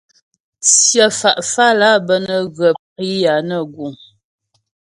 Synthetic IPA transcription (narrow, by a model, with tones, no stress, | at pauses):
t͡sjə˨fa˨ʔfa˦la˦bə˦nə˦ɣə˨p̚i˦ja˨nə˦˨ɡu˨ŋ